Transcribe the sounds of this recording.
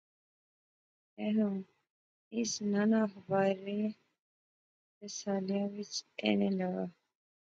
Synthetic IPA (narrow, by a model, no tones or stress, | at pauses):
ɛːnũː | ɪsnanaːɦəbaːɾːeː | ɾəsaːlijãːʋɪt͡ʃ̪ḛːneːləɡaː